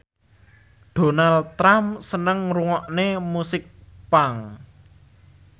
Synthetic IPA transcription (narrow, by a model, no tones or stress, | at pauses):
d̥o̤nalt̪ɾamsənəŋruŋɔʔnemusɪk̚paŋ